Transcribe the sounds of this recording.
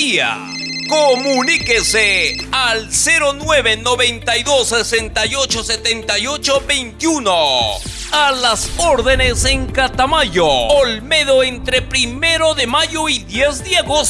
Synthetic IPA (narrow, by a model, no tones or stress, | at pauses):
ia̰ | komunikesealseɾo̞nweβenoβent̪ajðo̞sesent̪ajot͡ʃoset̪ent̪ajot͡ʃobejnt̪juno | alasoɾðeneseŋkat̪amaʝoolmeðoent̪ɾepɾime̞ɾo̞ðemaʝoiðjezðeaɣos